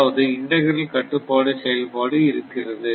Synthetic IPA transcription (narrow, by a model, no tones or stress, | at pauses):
ʋɐðɯɪɳɖɐɣɐɾɪlkɐʈːɯpːoːɽɐsɛjɐlpoːɽɯɪɾɯkːɪrɐðɯ